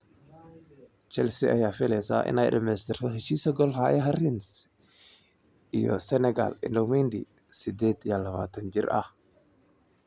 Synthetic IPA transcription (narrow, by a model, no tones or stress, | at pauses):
t͡ʃɛlsiʔɐjaːfɪlɛsa̰ːʔɪ̰naːjdɐmɛst̪ʰɛrkɔɦɛʃiːsɐɡɔlɦaːjɐɦɐrɪns | ʔijɔ̰sɛnɛɡa̰lɪ̰ndɔmɛnd̪i | sɪd̪ɛːd̪jalɐβa̰ːt̪ʰɐnd͡ʒɪrʔɐ̰h